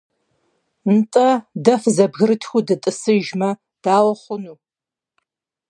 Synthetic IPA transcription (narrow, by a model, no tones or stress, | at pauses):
ntʼɐdɐfzɐbɣɨɾɨtʰxʷudɨtʼɨsɨʒmɐ | d̥aːwɐχʷʊnuː